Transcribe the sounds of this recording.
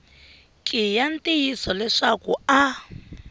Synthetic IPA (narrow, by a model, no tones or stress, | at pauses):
kʼijan̩tʼijisɔlɛʂakua